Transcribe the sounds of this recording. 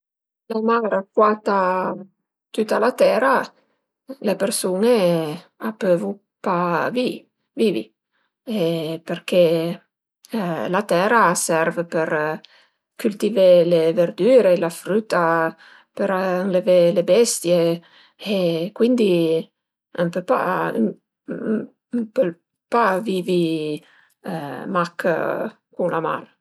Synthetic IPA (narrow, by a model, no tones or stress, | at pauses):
lamaɾakwat̪a | t̪ut̪ːalat̪ɛːɾa | lepersuːneapːøvu | pavi | vivḭ | eperke | lat̪ɛːɾasɛrvpeɾ | kylt̪iveleverd̪yːɾelafɾut̪a | peɾaŋlevelebɛst̪jeː | kwind̪i | əmpepa̰ | pe | pavivi | mak | kuŋlama̰r